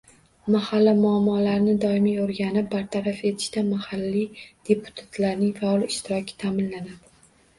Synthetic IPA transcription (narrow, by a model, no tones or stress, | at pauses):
mahalːamʊamːɒlaɾnɪd̪ɒɪmijoɾɡʲanɪp̚baɾt̪ʰaɾafe̞t̪ʰɪ̥ʃt̪amahalːid̪̥e̞pʰʊ̥t̪ʰḁt̪ʰlaɾnɪŋfaɒlɪɪʃt̪ɪɾɒkʲʰɪ̥t̪ʰamɪnlanad̪ɪ